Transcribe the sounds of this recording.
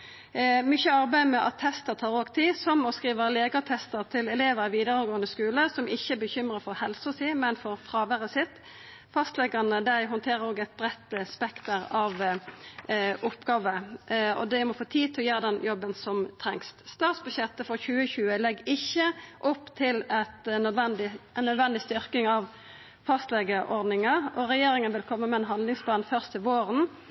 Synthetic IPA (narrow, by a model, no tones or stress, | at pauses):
mʏçəɑʁbæɪmɛʔɑ̰t̪ʰːɛst̪əʁt̪ʰɑːɾoːɡt̪ʰiːsɔmɔskʁiːʋəleːɡət̪ʰɛst̪əɾt̪ʰɪlɛleːʋəɾəʋiːd̪əɾəɡoːənəskʉːləsɔmɪçːəɛbəçʏmɾəfɔɾhɛlsʊsiːmɛnfɔɾfɾɑːʋæɾəsɪt̪ | fɑst̪lɛɡɑnəd̪æɪɦɔnt̪ʰeːɾəɾoːɡæɪt̪̚bɾɛt̪ːəspɛkt̪əɾɑʋ | ʔʊpːɡɑːʋəɔ̰d̪ɛmɔfoːt̪ʰiːt̪ʰɔjøːɾəd̪ɛnjɔbːənsɔmt̪ʰɾɛŋst̪st̪ɑːt̪sbʉɕjɛt̪ːəfɔʁçʉːəçʉːəlɛɡɪçːəʔɔpːt̪ʰɪlɛt̪ʋɛnd̪ɪɛnːœd̪ʋɛnd̪ɪst̪ʏɾkɪŋɑʋ | fɑst̪lɛɡəʔɔɾd̪nɪŋɑɔɾɛjeːɾɪŋənʋɪlkʰɔmːəmɛɛnɦɑnd̪lɪŋspʰlɑːnfœʁst̪əʋoːɾən